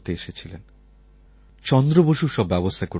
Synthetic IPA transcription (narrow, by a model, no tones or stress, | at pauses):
t̪eeʃet͡ɕʰilen | t͡ɕɔnd̪ɾoboʃuɾʃɔbːɛbost̪ʰako